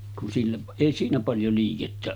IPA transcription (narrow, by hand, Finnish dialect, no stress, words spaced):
kun silːeʔ eˑi siːnæ pɑljo liːketːæ